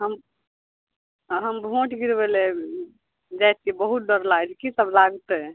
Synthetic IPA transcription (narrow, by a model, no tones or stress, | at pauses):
ɦəm | ɦəmbʱõʈɡiɾbele | d͡ʒat̪̚ibəɦut̪̚ɖəɾlaɡd͡ʒkisəblaɡt̪e